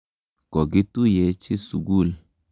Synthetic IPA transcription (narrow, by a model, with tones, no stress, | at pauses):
kɔ˨ɡɪ˦tu˦jɛ˨˦t͡ʃɪ˦su˨ɡu˦˨l